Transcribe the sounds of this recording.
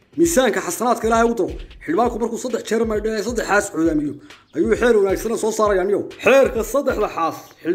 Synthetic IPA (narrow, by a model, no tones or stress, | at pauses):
miːsaːŋkʰɐħɑsɐnaːd̪kʰɐɪlaːɦɛʊd̪ɐɾɔħɪɽβaːŋkʰʊmɐrkʰuːsɐd̪ɛħt͡ʃʰɛːrmɐjɖɛɛsɐd̪ɛħaːsʕɔːðaːmɪjɔʔɐjuːħɛːɾwɐnaːɡsɐnɐsɔːsaːɾɐjaːnɪjɔwħɛːrkʰɐsɐd̪ɛħd̪ɐħaːsħɪ